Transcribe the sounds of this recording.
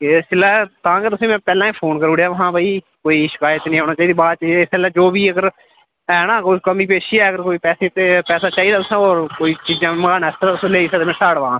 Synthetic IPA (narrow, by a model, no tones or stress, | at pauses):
esɪlɛːt̪ãːkeːt̪ʊsĩːmɛ̃ːpɛːlãːiːpʰoːnkəɾuːɽjaːʋəɦãːbaːiː | koːiːʃɪkaːjət̪nĩːɦoːnaːt͡ʃaːiːd̪iːbaːt͡ʃiɪsɪlɛːd͡ʒoːbiːəɡəɾ | ɛːnãːkokəmiːp̬eːʃiːɛːəɡəɾkoːiːpɛːsĩːt̪eːpɛːsaːt͡ʃaːiːd̪aːt̪ʊsãːoːɾkoːiːt͡ʃiːd͡ʒãːmɡaːnɛːst̪ːat̪ʊsːleːiːsɛːt̪eːmẽːsaːɽʋãː